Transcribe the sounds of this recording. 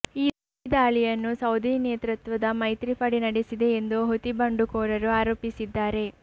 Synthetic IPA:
iː | d̪aːɭijɐnːusɐwd̪ʱineːt̪ɾɐt̪ʋɐd̪ɐmɐjt̪ɾipɐɽinɐɽesid̪e̞ːnd̪uɦot̪ibɐɳɖukɔːɾɐɾuaːɾoːpisid̪ːaːɾe̞

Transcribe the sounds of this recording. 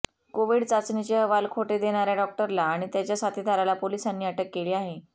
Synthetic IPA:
koʋiɽt͡sat͡snit͡ɕeəʋalkʰoʈed̪eɽ̃aɾjaɖɔk̚ʈəɾlaːɽ̃it̪jat͡ɕjasat̪ʰid̪ʱaɾalapolisanːiːaʈəkːeliːaɦe

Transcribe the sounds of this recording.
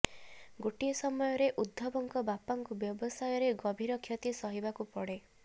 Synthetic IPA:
ɡoʈiesɔmɔjɔɾeʔud̪ʱːɔbɔŋkɔbapaŋkubjɔbɔsajɔɾeɡɔbʱiɾɔkʰjɔt̪isɔɦibakupɔɽe

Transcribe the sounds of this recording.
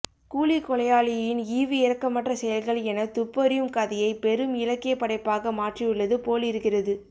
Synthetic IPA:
kuːɭikɔɭɐjaːlɪjɐjɪniːʋiɪɾɐkːɐmːɐʈrɐsɛjɐlɣɐɭɛnɐt̪ʊpːɐɾɪjɯmkɐðɐjɐɪpɛɾɯmɪlɐkːɪjɐpɐɽɐɪpːaːɣɐmaːʈriɯɭːɐðɯpoːɭɪɾɯkːɪrɐðɯ

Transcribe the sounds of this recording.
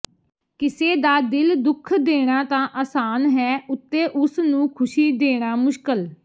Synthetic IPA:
kɪseːd̪aːd̪ɪld̪ʊkʰd̪eːɽ̃ãːt̪ãːʔaːsaːnɦɛːʊt̪ːeːʔʊsnũːkʰʊʃiːd̪eːɽ̃aːmʊʃkəl

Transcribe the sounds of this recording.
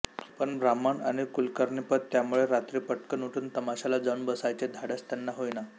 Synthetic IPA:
pəɳbɾaməɳa̰ɽ̃ikulkəɾɳipət̪ːjamuɭeɾat̪ɾiːpəʈkənuʈʰuːnt̪əmaɕalad͡zənbəsajt͡ɕed̪ʱaɽast̪janːaɦojna

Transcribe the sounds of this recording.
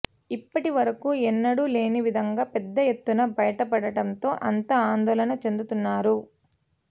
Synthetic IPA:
ipːɐʈiʋɐɾɐkuːɛnːɐɽule̞ːniʋid̪ʱɐŋɡaːpɛd̪ːɐje̞t̪ːunɐbɐjɐʈɐpɐɽɐʈɐnt̪o̞ːʔɐnt̪ɐaːnd̪ɔːlɐnɐt͡ʃe̞nd̪ut̪unːaːɾu

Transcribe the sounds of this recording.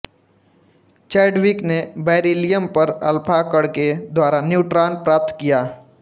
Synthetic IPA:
t͡ʃɛːɖʋiknebɛːɾeːlijəmpəɾɐ̰lpʰakəɽked̪waːɾanjuːʈɾaːnpɾaːp̚t̪kijaː

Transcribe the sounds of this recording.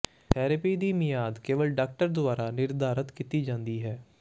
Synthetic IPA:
t̪ʰɛːɾəpiːd̪iːmɪjaːd̪keːʋəlɖaːk̚ʈəɾd̪ʊaːɾaːnɪɾd̪aːɾət̪kit̪iːd͡ʒãːnd̪iːɦɛː

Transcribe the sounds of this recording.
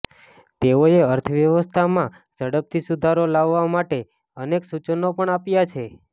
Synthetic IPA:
t̪eoeəɾt̪ʰəʋjəʋəst̪ʰamã | d͡ʒəɽəp̚t̪ʰisud̪ʱaɾolaʋːamaʈe | əneksut͡ʃənopəɳapjat͡ʃʰe

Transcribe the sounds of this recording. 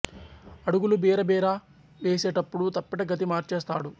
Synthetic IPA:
ɐɽuɡulubeːɾɐbeːɾa | ʋeːseːʈɐpːuɽut̪ɐpːiʈɐɡɐt̪̬imaːɾt͡ʃeːst̪aːɽu

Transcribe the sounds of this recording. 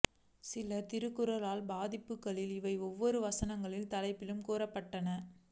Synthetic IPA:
sɪlɐt̪ɪɾɯkːɯɾɐlaːlbaːðɪpːɯkːɐɭɪlɪʋɐɪɔʋːɔɾɯʋɐsɐnɐŋɡɐɭɪlt̪ɐlɐɪpːɪlɯmkuːɾɐpːɐʈːɐnɐ

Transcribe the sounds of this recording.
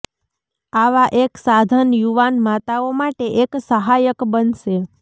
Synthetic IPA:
aʋaʔeksad̪ʱənjuʋanmat̪aomaʈeʔeksəɦajəkbənʃe

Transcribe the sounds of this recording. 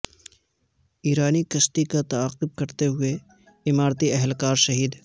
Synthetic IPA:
iːɾaːnikɐsʈikat̪ɐaːqʊb̚kɐɾt̪eɦʊe | ɪmaːɾt̪iɛɦlkaːɾʃɐɦiːd̪

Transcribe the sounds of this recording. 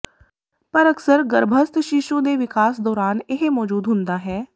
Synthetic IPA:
pəɾəksəɾɡəɾbʱəst̪ʃɪʃõːd̪eːʋɪkaːsd̪ɔːɾaːnɪɦmɔːd͡ʒuːd̪ɦʊnd̪aːɦɛː

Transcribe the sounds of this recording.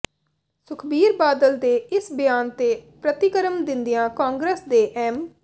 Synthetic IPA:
sʊkʰbiːɾbaːd̪əld̪eːɪsbɪjaːnt̪eːpɾət̪ɪkəɾəmd̪ɪnd̪ijãːkãːŋɡɾeːsd̪eːʔɛːm

